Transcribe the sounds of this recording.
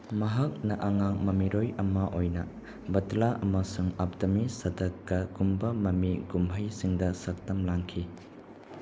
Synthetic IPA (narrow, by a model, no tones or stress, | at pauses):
mɐɦɐk̚nɐʔɐŋaŋmɐmiɾojɐmɐʔojnɐ | bɐtlaʔɐmɐsuŋap̚tɐmisɐdɐkːɐɡumbɐmɐmiɡumbʰʱɐjsiŋdɐsɐk̚tɐmlaŋkʰi